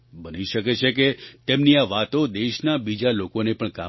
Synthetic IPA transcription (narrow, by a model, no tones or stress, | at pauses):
bəniʃəket͡ʃʰek̬et̪emniaʋat̪od̪eʃnabid͡ʒalokonepəɳka